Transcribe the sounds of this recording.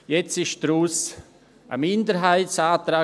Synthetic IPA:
jɛt͡sɪʃd̥ɾuːs | ʔə̰mɪndəɾɦaɪtsaːt̪ɾaː

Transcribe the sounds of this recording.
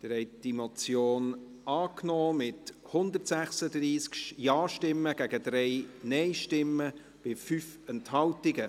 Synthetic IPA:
d̥əɾhɛɪd̥imot͡sjoːn | ɑːknɔːmɪthʊnd̪ətsæχsədriːskjɑːʃtɪmːəɡ̥æɡəd̪ɾɛɪnɛɪʃtɪmːə | b̥ɪfyfɛnthɑltɪɡə

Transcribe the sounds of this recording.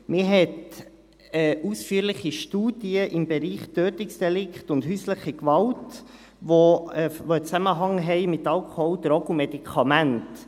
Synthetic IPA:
mɪɦɛt | ɛʔusfyːəɾlɪχiʃtuːd̥iəʔɪmbeɾiːχtøːtɪksd̥ɛlɪkχtʊndɦyːsləχikvɑwt | ʋovoət͡sæməɦɑŋɦɛɪmɪtɑlkʰɔwd̪ɾɔɡumɛdikʰɑmænt

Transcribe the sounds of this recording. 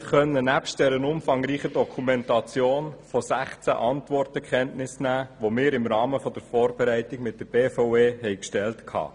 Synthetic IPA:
χœnənæpʃtd̥ɛɾənʊmfɑŋɾiːχədɔkʰumɛntɑt͡sjoːnfosæχt͡sæ̰ʔɑntvɔrtəkχɛntnɪsnæːʋomɪːɾɪmɾɑːməfɔd̥əɾfɔːɾbɛɾæɪtɪɡmɪt̚d̥əb̥eːfɔʊeːhɛɪkʃtɛltkʰhɑ̰ː

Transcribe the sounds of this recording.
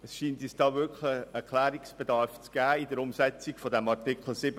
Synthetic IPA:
əsʃiːntisd̥ɑːvʏkʰləɛɾkʰlæːɾiksb̥edɑɾft͡sɡ̥æːidəɾʊmsɛt͡sɪɡfɔdɛmɑʁtɪkʰl̩sɪb

